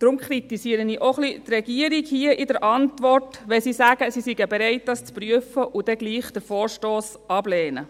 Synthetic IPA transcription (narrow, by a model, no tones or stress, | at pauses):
d̥ɾʊmkʰɾit̪isiəɾəniːʔoχlit̪rɛɡiəɾikhiəʔidəɾʔɑntʋɔrtʋɛsiːsæɡəsisiɡəbeɾɛɪt̚d̥ɑst͡spryəfəʔudɛɡliːχd̪̥əɾfoːɹʃtoːs | ʔɑblɛːnə